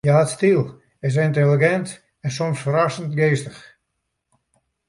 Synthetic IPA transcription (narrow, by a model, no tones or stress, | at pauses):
jaːtstilˠ | ɪs̬ɪntelˠiɡɛnt | ɛnsɔmsfəɾasəntɡeːstəx